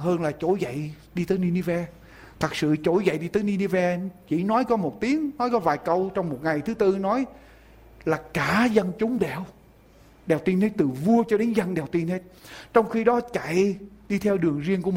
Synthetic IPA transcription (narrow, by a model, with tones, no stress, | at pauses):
həː˧nlaː˨˩t͡ɕo˧˩jzə̰˧˨j | ɗi˧t̪əː˨˦jni˧ni˧vɛ˧ | t̪ʰə˨˩k̚sɨ̰˧˨t͡ɕo˧˩jzə̰˧˨jɗi˧t̪əː˨˦jni˧ni˧vɛ˧t͡ɕḭ˧˩nɔ˨˦jkɔ˨˦mo˨˩t̚t̪i˨˦əŋnɔ˨˦jkɔ˨˦vaː˨˩jkə˧wt͡ɕɔ˧wŋ͡mmo˨˩t̚ŋa˨˩jt̪ʰɨ˨˦t̪ɨ˧nɔ˨˦j | laː˨˩kaː˧˩zə˧nt͡ɕʊ˨˦ŋ͡mɗɛ˨˧˩w | ɗɛː˨˩wt̪i˧nhe˨˦˥t̪ɨ˨˩vu˧ət͡ɕɔ˧ɗe˨˦nzə˧nɗɛ˨˩wt̪i˧nhe˦˥t̚t͡ɕɔ˧wŋ͡mxi˧ɗɔ˨˦t͡ɕa̰˧˨jɗi˧t̪ʰɛ˧wɗɨ˨˩əŋzi˧ənku˧˩m˨